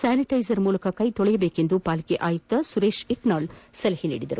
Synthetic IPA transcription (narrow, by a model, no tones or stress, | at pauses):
saːniʈɐjzɐɾmuːlɐkɐkɐjt̪ɔɭɛjɐbeːke̞nd̪upaːlikeʔaːjuk̚t̪ɐsuɾe̞ːʃiʈnaːlsɐlɐhinḭːɽid̪ɐɾu